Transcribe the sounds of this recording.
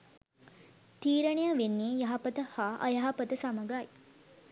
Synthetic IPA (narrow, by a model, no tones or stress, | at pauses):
t̪iːɾɐɳijaʋenːeːjɐɦɐpət̪əhaːʔɐ̰jɐɦɐpət̪əsɐmɐɡaːi